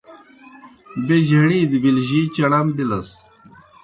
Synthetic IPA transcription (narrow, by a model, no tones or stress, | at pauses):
beʑɐɽiːd̪bilʑit͡ɕɐɽɐmd̪ilɐs